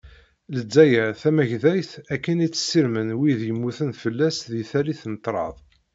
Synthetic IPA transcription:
ləd͡zːæjæθæmæʝðæjθækːənit͡sːə̥sːiɾmənwiðjəmːuθənfəlːæsðiθæliθnət̪ˤːɾˤɑ̰ðˤ

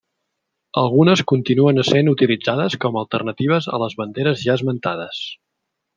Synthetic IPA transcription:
əlˠɣunəskunt̪inuənəsenut̪ilid͡zaðəskɔməlˠt̪ərnət̪iβ̞əzə̰ləzβənd̪eɾəzʒaəzmənt̪að̞əs

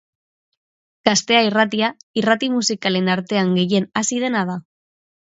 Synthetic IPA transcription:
ɡ̥ast̪e̞airat̪̬iairat̪imusikale̞naɾt̪e̞aŋɡe̞je̞nasið̞e̞nað̞a

